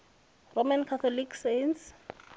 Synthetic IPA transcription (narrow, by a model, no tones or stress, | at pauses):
romankʰat̪ʰɔliksajns